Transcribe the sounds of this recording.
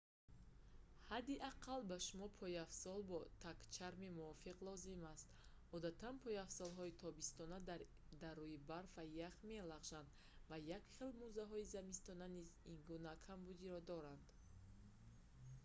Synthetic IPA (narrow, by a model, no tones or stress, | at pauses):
had̪iʔaqʰalbaʃumɔpʰɔiafsɔlbɔt̪ʰakt͡ʃʰaɾmimuɔfiqlɔzimast̪ | ɔd̪at̪ʰanpʰɔjafsɔlɦɔit̪ʰɔbist̪ɔna | d̪arːuibaɾfajaχme̞laʁʒand̪ | vajakχelmuzaɦɔizamist̪ɔnanizinɡunakʰambud̪iɾɔd̪ɔɾand̪